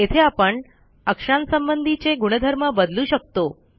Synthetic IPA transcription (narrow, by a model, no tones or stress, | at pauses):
et̪ʰeapəɳ | əkʂansəmbənd̪ʱit͡ɕeɡuɽ̃əd̪ʱəɾməbəd̪luʃək̚t̪o